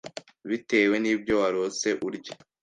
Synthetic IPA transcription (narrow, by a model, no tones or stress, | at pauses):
βite̞ːwe̞niːbjo̞waɾo̞se̞ʔuɾɟḁ